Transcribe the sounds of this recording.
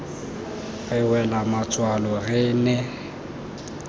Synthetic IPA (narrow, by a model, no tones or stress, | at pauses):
ɣɪwɛlamat͡sʼwalɔɣɪːnɛ